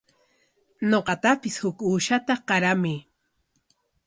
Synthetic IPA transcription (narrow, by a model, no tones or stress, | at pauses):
noqɑt̪apɪshʊkuːʃat̪aqɑɾamɪ